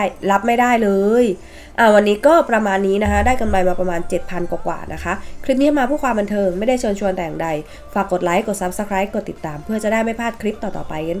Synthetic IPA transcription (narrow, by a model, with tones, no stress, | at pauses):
jla˦˥p̚ma˥˩jdaː˥˩jlɤː˧j | ʔaː˧˩wa˧nːiː˦˥kɔː˥˩pɾa˧maː˧nːiː˦˥na˦˥kʰa˦˥daː˥˩jka˧mla˧jmaː˧pɾa˧maː˧nt͡ɕe˨˩t̪̚pʰa˧nkwaː˨˩kwa̰ː˨˩nʔa˦˥kʰa˦˥ʔkʰɾi˦˥p̚ni˦˥maː˧pʰuː˥˩kʰwaː˧mba˧nt̪ʰɤː˧ŋma˥˩jda˥˩jt͡ɕʰɤː˧nt͡ɕʰu˧nt̪ɛː˨˩jaː˨˩da˧j | faː˨˩kːo˨˩t̪̚la˦˥jko˨˩t̪̚sa˦˥p̚sa˧kʰɾaː˦˥jko˨˩t̪ːi˨˩t̪ːaː˧mpʰɯ˥˩t͡ɕa˨˩daː˥˩jma˥˩jpʰaː˥˩t̪̚kʰɾi˦˥p̚t̪ɔː˨˩t̪ɔ̰ː˨˩pa˧jhe˧˦